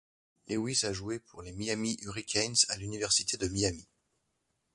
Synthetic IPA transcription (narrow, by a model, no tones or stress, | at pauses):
lewisaʒuepʰuʁlemiamiʔyʁikʲʰɛnzalynivɛʁsit̪ed̪əmiami